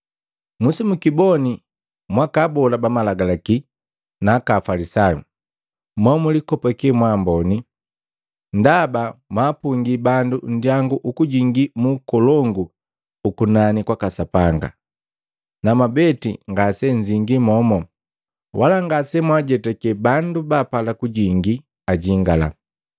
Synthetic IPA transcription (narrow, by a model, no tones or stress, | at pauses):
musimukibɔni | mwakabɔlabamalaɡalaki | nakafalisajṵ | mɔmulikɔpakɛmwambɔni | ndabamwapuŋɡibandun̩djaŋɡuʔukuɟiŋɡimukɔlɔŋɡu | ukunanikwakasapaŋɡa̰ | namabɛtḭŋɡasɛɲd͡ʒiŋɡimɔmɔ | wʔalaŋɡasɛmwaɟɛtɛkɛbandubaːpalakuɟiŋɡi | aɟiŋɡala̰